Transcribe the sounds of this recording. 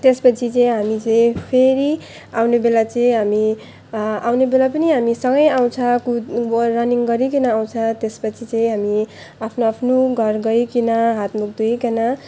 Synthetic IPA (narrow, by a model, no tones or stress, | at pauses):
t̪espʌt͡sʰit͡sʌĩɦamit͡sʌj̃pʰeɾi | awnebelat͡sʌĩɦami | awnebelapʌniɦamisʌŋɡʌjaw̃t͡sʰʌ̃kurʌniŋɡʌɾikinʌːw̃t͡sʰʌ̃t̪espʌt͡sʰit͡sʌĩɦami | apʰnoapʰnoɡʱʌrɡʌjkinʌɦat̪muk̚d̪ujkenʌ